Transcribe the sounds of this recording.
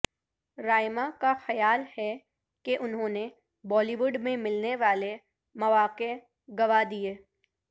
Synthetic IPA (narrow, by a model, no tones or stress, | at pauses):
ɾaːɪmakaxɐjaːlhɛ | keʔʊnɦõːne | bɔːliʋʊɖmẽmɪlneʋaːle | mɐʋaːqe | ɡɐʋad̪ieː